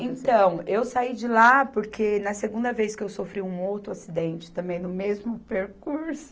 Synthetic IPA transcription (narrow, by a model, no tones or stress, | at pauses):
ẽnt̪ɐ̃w̃ewsaid͡ʒɪlapoɾkʰenɐseɡũnd̪ɐvejskɪewsofɾiũowt̪ɾʊasid̪ẽnt͡ʃɪ̥t̪ɐ̃mbẽj̃nʊmezmʊpeɾkuɾsʊ̥